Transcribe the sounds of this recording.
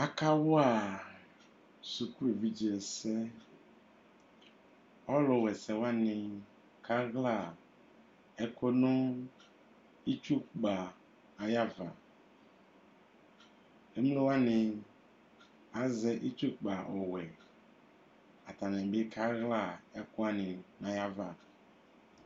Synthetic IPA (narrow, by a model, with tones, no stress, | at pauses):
a˦ka˦wo˦a˦˨ | su˨ku˦e˨vi˦d͡ʑi˨ɛ˨sɛ˦ | ɔ˦lɔ˨wɛ˨sɛ˨wa˦nẽ˨ | kʰa˦ɣla˦˨ | ɛ˦ko˦nõ˦ | i˦t͡ʃu˦k͡pa˨ | a˨ja˦va̰˨ | e˦m˦lẽ˦wa˦nẽ˨ | a˨zɛ˦ʔi˦t͡ʃu˦k͡pa˨ʔɔ˨wɛ˨ | a˨t̪a˨nɛ̃˨be˦kʰa˦ɣla˦˨ɛ˦kɔ˦a˦nĩ˨nã˨ja˦va˨